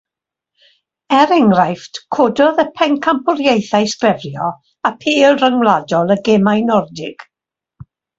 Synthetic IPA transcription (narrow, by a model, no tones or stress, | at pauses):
ɛɾɛŋrajftkʰodɔðəpʰɛŋkʰampʰʊrjejθajskrɛvrjɔ | apʰiːlˠrəŋwlˠadɔlˠəɡɛmajnɔrdɪɡ̥